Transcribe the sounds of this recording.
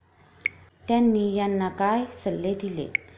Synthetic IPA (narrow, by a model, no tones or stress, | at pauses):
t̪janːijanːakajsəlːed̪ilḛ